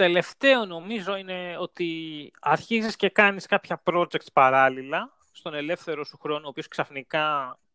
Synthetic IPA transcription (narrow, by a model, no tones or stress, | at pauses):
t̪e̞le̞ft̪e̞o̞no̞mizo̞ine̞o̞t̪iɐɾçizisce̞kɐniskɐpçɐpɾo̞d͡ʒek̚t̪pɐɾɐlilɐ | st̪o̞ne̞le̞fθe̞ɾo̞suxɾo̞nuopio̞sksɐfnikɐ